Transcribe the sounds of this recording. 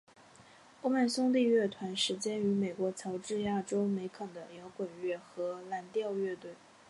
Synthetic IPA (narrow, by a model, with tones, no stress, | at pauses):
o˥ma˥˩nsʊ˥ŋt̪i˥˧ɥɛ˥˩t̪ʰwa˧˥nʂɻ̩˧˥t͡ɕjɛ˥ny˧˥me˨˩ɪkwɔ˧˥t͡sʰɑ˧˥ʊʈ͡ʂɻ̩˥˧ja˥˩ʈ͡ʂo˥ʊme˧˥ɪkʰɤ˨˩d̪ə˦jɑ˧˥ʊkwə˨˩nɥɛ˥˩xɤ˧˥la˧˥nt̪jɑ˥˧ʊɥɛ˥˧t̪we˥˩ɪ